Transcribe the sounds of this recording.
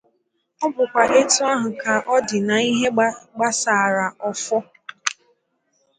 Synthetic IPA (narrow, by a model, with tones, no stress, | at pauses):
ɔ˦bʊ˨kʷa˨ʔe˦tu˦a˦ɦʊ˨ka˨ʔɔ˦dɪ˨na˨i˦ɦe˦ɡ͡ba˦saː˨ɾa˨ɔ˨fɔ˦